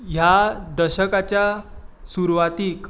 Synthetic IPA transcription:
ɦjad̪əɕəkat͡ɕjasuɾuʋat̪iːk

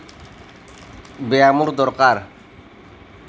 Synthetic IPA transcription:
beamuɾd̪ɔɾkaɾ

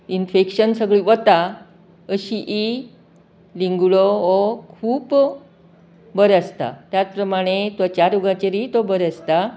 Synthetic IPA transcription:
infekɕənsəɡɭiːʋət̪a | əɕiʔi | liŋɡɭoʋokʰuːp | bəɾəst̪a̰t̪jat͡spɾəmaɽ̃et̪at͡ɕaɾuɡãt͡ɕeɾit̪obəɾəst̪a

